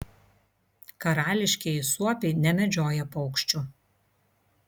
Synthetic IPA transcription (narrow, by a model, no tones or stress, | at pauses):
kɐɾɑːlʲɪʃʲkʲɛɪsuɔpʲɛɪnʲɛmʲɛd͡ʒʲoːjɛpɔʊkʃʲt͡ʃʲʊ